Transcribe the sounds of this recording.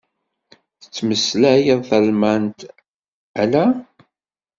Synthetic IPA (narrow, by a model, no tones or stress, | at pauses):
θə̥t͡sːməslæjəðˤθælmænt̪ | ælæ